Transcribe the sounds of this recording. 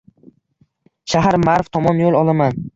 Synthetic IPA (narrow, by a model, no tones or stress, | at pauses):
ʃaɦaɾmaɾvt̪ʰɒmɒnjolˠɒlˠaman